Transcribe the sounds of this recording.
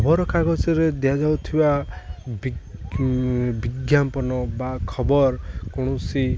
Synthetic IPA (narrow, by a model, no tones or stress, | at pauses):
ɔbɔɾɔkaɡɔt͡ʃɔɾed̪ejad͡ʒawt̪ʰibabi | biɡjampɔnɔbakʰɔbɔɾkɔɽ̃ɔsi